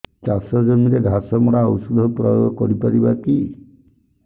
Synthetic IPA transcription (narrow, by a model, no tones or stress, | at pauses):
t͡ʃasɔd͡ʒɔmiɾeɡʱasɔmɔɽaɔsud̪ʱɔpɾɔjo̰ɡɔkɔɾipaɾibaki